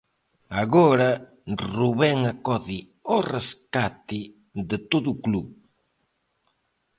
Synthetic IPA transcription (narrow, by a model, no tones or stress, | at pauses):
aɣoɾa | ruβɛŋakɔði | oreskat̪ɪ | ðɪt̪oðukluβ